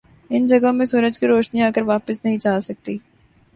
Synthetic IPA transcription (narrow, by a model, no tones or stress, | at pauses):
ɪnd͡ʒɐɡõmẽsuːɾəd͡ʒkiɾoːʃniaːkəɾʋaːpəsnɐɦĩt͡ʃaːsɐk̚t̪iː